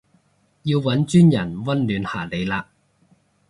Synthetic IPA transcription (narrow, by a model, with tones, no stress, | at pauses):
jiː˧wwɐ˨˥nt͡ʃyː˥njɐ˨˩nwɐ˥nlyː˨˧nha̰ː˨˩le˨˧jlaː˧ʔ̚